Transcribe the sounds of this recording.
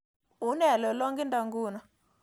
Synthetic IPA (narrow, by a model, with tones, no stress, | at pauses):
u˨˦nɛ˨lɔ˨lɔ˦ŋɡi˦nda˨ŋɡu˦na˨